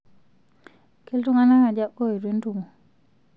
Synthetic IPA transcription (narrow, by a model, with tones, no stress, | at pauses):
ke˦ltu˦ŋa˦na˦ŋa˨d͡ʒa˦o˦i˨ɾwe˦ntu˨ŋu˨